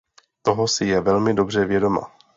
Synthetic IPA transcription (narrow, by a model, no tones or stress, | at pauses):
t̪o̞ɦosɪjɛvɛlmɪdo̞br̝ɛvjɛdo̞ma̰